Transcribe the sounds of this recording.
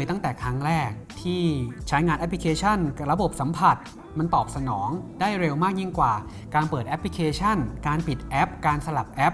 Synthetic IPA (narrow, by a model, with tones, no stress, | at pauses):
jt̪a˥˩ŋt̪ɛː˨˩kʰɾa˦˥ŋɾɛː˥˩k̚t̪ʰiː˥˩t͡ɕʰa˦˥jŋaː˧nʔɛ˦˥pli˧˥kʰeː˧t͡ɕʰa˥˩nɾa˧bo˨˩p̚sa˩˦mpʰa˨˩t̪̚ | ma˧nt̪ɔː˨˩p̚sa˧nɔː˩˦ŋdaː˥˩jɾe˧wmaː˥˩k̚ji˥˩ŋkwaː˨˩ | kaː˧npɤː˨˩t̪̚ʔɛ˦˥pʰli˧˥kʰeː˧t͡ɕʰa˥˩nkaː˧npi˨˩t̪̚ʔɛ˦˥p̚kaː˧nsa˧la˨˩p̚ʔɛ˦˥p̚